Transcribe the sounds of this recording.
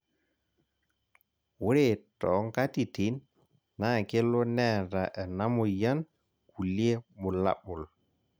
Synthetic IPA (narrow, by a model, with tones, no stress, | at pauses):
wu˦ɾe˨tɔ˨˦ŋka˦ti˨ti˨˦n | na˦˨ke˦lo˦nɛ˦˨da˨ʔɛ˨na˦mo˨ja˦n | ku˨li˦e˦mu˨la̰˦ɓu˨l